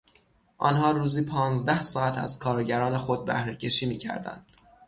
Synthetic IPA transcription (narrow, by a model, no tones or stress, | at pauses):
ʔɒːnhɒːɾuːziːpʰɒːnzd̪æhsɒːæt̪ʰæ̰z̥kʰɒːɾɟæɾɒːnexod̪̚bæ̰hɾecʰe̞ʃiːmiːcʰæ̰ɾd̪æ̰nd̪̥